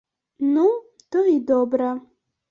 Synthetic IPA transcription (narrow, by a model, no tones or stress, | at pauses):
nu | t̪ɔid̪ɔbɾa